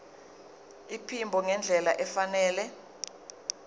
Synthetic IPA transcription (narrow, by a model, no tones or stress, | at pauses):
ipʰimbʱɔŋɛnd͡ɮʱɛlaʔɛfanɛːlɛ